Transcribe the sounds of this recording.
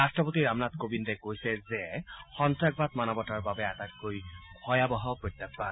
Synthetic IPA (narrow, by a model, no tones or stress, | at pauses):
astɹɔpotiɹamnatkobindɛkojsɛzɛxɔntɹaɡ̚bat̪manɔbɔtaɹbabɛatakːojkʰɔjabɔɦawpɹojt̪ːapba